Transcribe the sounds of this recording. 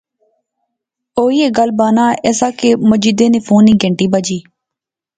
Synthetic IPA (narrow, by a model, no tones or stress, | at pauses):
oːiːeːɡəlbaːnãːeːsaːkeːmʊd͡ʒiːd̪eːneːpʰuːnːĩːɡəɳʈiːbəd͡ʒiː